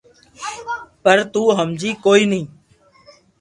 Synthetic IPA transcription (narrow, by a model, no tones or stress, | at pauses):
pəɾt̪uːɦəmd͡ʒiːkoːiːnĩː